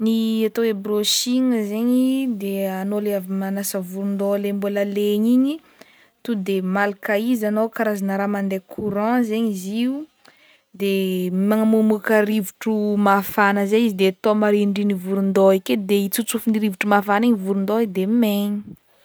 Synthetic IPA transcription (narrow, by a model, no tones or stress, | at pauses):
niat̪oebɾoʃiŋəzeɲid̪eanoleavimanasəvuɾund̪olembuləleɲiɲi | t̪ud̪emalakaizanowkaɾazanəɾamand̪ekʰuɾɑ̃zeɲiziu | d̪emaŋamumukəɾivuʈ͡ʂumafanəzeizid̪et̪omaɾiɳɖ͡ʐinivuɾund̪oiked̪eit͡sut͡sufiniɾivuʈ͡ʂumafaniɲivuɾund̪oed̪emeɲi̥